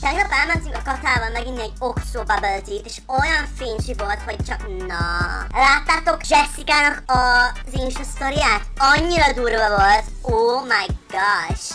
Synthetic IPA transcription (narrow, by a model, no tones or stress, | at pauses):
t̪ʰɛɡnɔpɛlmɛntỹŋkɔkɔtʰaːvɔlmɛɡinːɛɟoksoːbabɛlt̪ʰiteʃojɒnfiːnʃivolt̪hoɟ̥̚t͡ʃʰɒknɔlaːt̪ːat̪okd͡ʒɛsikanɔkʰɔzinʃust̪ɔɾiat̪ɒɲːiɾɒd̪uːɾbɛvolt̪ | oːmajɡ̥aʃ